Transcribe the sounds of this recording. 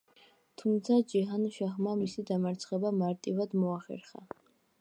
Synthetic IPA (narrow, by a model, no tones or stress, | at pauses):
t̪ʰumt̪sʰad͡ʒɛɦanʃaχmamisid̪amaɾt̪sʰχɛbamaɾt̪ʼivad̪mɔaχɛ̰ɾχa̰